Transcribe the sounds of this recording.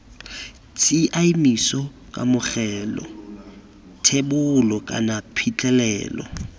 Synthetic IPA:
t͡sʼɪʔaimisɔkʼamʊχɛːlɔ̰ | tʰebʊlɔkʼa̰napʰit͡ɬʼɛlɛːlɔ̰

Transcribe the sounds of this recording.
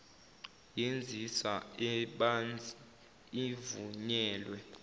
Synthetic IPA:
jend͡zʱisaɛɓand͡z | ivṵɲɛːlwɛ

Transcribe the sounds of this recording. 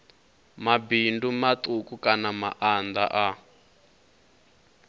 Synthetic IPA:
mabindumatukukanama̰ʔand̪a̰ʔa

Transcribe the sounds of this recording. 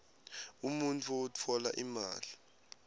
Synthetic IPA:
umuntʰuɔut͡fʰɔlaʔima̰ːli

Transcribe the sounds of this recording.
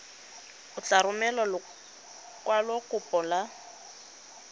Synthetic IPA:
ʊt͡ɬaɾʊmɛlɔl | kwalɔkʼʊpʼɔla

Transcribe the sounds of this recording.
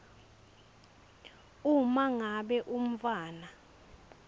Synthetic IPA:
umaŋaɓɛʔum̩faːna

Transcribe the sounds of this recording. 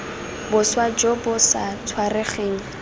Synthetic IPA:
bʊswad͡ʒɔbʊsat͡sʰwareχeːŋ̩

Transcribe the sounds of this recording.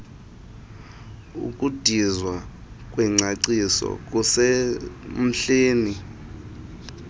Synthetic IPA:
ṵkʼud̥ʱizwakʼwɛŋ͡ǀaǀisɔ̰kʼuse | m̩ɬeːni

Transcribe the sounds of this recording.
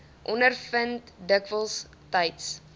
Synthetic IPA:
ʔɔnərfənt | dəkvəlˠs | təjts

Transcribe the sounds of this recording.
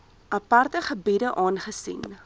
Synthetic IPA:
ʔɐpɐrtəχəbidəʔɑːnχəsḭn

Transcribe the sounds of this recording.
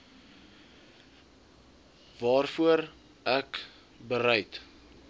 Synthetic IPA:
vɑːrfuəɾ | ʔæk | bəɾɛjt

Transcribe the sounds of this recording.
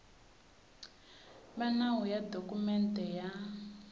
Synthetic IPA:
βanawujadokʼumɛntɛja

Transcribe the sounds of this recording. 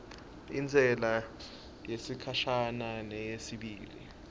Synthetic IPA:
ind͡zʱɛla | jesikʰaʃananɛjesiɓiːlḭ

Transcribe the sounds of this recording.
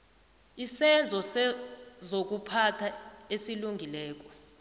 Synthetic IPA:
isɛnd͡zʱɔ | zok̬upʰatʰaesiluŋɡʱilɛːk̬ɔ

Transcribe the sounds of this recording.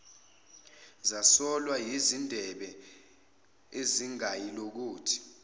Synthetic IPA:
zasɔlwajizindʱɛɓɛ | eziŋajilok̬uːtʰi̥

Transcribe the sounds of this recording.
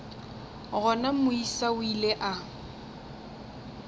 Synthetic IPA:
ɣɔnamʊisaʊileʔa

